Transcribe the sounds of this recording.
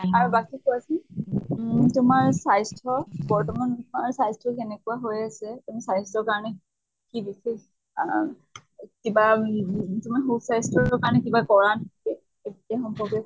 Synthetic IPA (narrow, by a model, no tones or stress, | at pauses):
aɹubakikɔasi | tʊmaɹsajstʰɔbɔɹtɔmanmaɹsajstʰɔkenɛkuwaɦojasɛtumisajstʰɔɹkaɹɔnɛ | kibisex | kiba | tʊmaxusajstʰɔɔkaɹɔnɛkibakɔɹantʰkɛ | etiaxɔmpɔɹɡɛ